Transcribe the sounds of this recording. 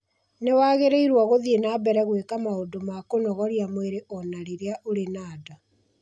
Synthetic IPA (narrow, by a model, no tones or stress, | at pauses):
newaːɣeɾeiɾwaɣoðienaːbɛɾɛɣwekamaodomakonɔɣɔɾiamweɾeʔɔnaɾeɾeaʔoɾenaːda